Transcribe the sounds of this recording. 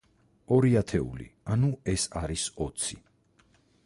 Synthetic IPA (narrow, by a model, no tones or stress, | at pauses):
ɔɾiat̪ʰɛṵlḭanuɛsaɾisɔt̪sʰi